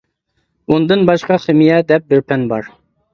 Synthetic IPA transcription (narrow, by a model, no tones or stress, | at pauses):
und̪ɨnbɑʃqɑχɪmijɛd̪ɛp̚bɪɾpʰɛnbɑɾ